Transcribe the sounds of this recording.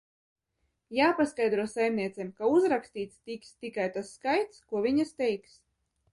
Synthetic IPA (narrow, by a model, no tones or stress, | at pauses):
jaːpaskajd̪ɾuɔsajmniɛt̪sɛmkauzɾaksʲt̪iːt̪st̪ikst̪ikajt̪asːkajt̪skuɔvʲiɲast̪ɛjks